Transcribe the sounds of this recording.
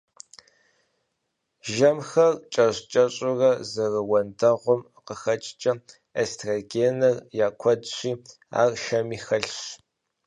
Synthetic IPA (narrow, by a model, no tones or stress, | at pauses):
ʒɐmxɐrt͡ʃʼɐɕt͡ʃʼɐɕʼɪrɐzɐrɐwɐndʰɐʁʷʊm | qəxɐt͡ʃʼt͡ʃʼɐ | estʰraɡeːnɐrjaːkʷʰɔdɕʷiː | a̰ːrʃɐmiːxɐɬɕ